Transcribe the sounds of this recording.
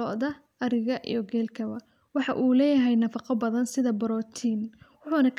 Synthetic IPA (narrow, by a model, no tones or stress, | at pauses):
ɔʔðɐ | ʔɐɾɪɣɐʔḭjɔɡɛːlkʰɐβɐ | wɑħɑʔuːlɛːjɐɦɛjnɐfɑqɔbɐðɐnsɪðɐbɐɾɔːt̪ʰiːnwʊħuːnɐkʰ